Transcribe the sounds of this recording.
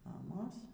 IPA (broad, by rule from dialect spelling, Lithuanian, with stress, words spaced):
mɐˈmoːs